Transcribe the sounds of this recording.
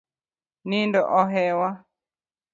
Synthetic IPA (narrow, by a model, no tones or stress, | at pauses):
nindɔʔɔɦɛwa